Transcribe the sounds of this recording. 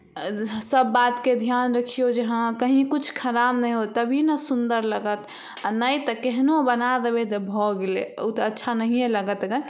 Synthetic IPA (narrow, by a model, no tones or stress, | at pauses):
səbːat̪ked̪ʱjanɾəkʰijod͡ʒeɦãkəɦĩkut͡ʃʰkʰəɾabnəjɦot̪əbʱinəsund̪əɾləɡət̪ | anəjt̪əkeɦnobənad̪ebet̪əbʱɔɡelḛout̪əətːʃʰanəɦijeləɡət̪ɡə